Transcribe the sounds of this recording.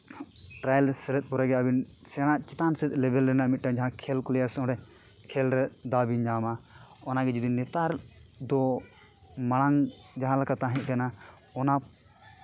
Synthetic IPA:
ʈɾajɛlsɛɾɛt̪̚ˀpɔɾɛɡɛabinsɛɽ̃aʔt͡ʃɛt̪ansɛt̪̚ˀlɛbʱɛlɾɛnaʔmit̪̚ʈad͡ʒaɦãkʰɛlkɔlɛjasɔ̃ɖɛ | kʰɛlɾɛd̪abiɲd͡ʒamaɔnaɡɛd͡ʒud̪inɛt̪aɾd̪ɔ | maɽ̃aŋd͡ʒaɦãlakat̪aɦɛ̃ʔ̚kana | ɔna

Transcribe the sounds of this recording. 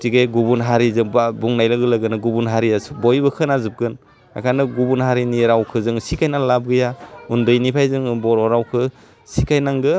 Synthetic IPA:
tiɡejɡubunɦaɾizɯŋbbuŋnajlɯɡɯlɯɡɯnɯɡubunɦaɾiasbɔjbɯkʰɯnazɯp̚kɯn | a̰kʰanɯɡubunɦaɾiniɾawkʰɯzɯŋsikʰajnaŋlab̚ɡɯjaundɯjnipʰajzɯŋbɔɾɔɾawkʰɯ | sikʰajnaŋɡɯ

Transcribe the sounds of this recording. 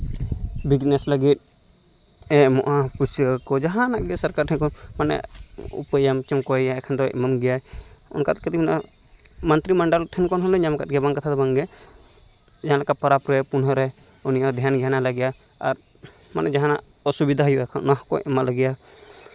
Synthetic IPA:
bid͡ʒnɛsləɡit̪̚ˀ | ɛmɔʔapusəkɔd͡ʒaɦãnak̚ɡɛsəɾkaɾʈʰɛnkɔn | manɛ̰ṵpəjamt͡ʃɔmkɔɛjaɛkʰand̪ɔɛ̰mamɡɛja | ɔ̰nkat̪kət̪imna̰ | mənt̪ɾiməɳɖəlʈʰɛnkɔnɦɔlɛɲamkat̪̚ɡɛbaŋkat̪ʰad̪ɔbaŋɡɛ | d͡ʒaɦãlakapɔɾapɾɔɛpunɦɔɾɛ | unijad̪ʱjanɡjanaləɡɛja | a̰ɾ | manɛd͡ʒaɦanaʔ | ɔsubid̪ʱaɦjuʔɛkʰannaɦkɔɛmalaɡɛja

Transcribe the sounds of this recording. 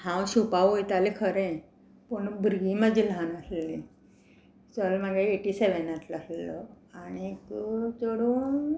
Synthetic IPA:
hãwɕupaʋojt̪alekʰəɾẽ | puɳbɾɡiməd͡ʑʱilɦanəsli | t͡səlmaɡeeʈiseʋenat̪laslɔ | anikut͡soɽuːn

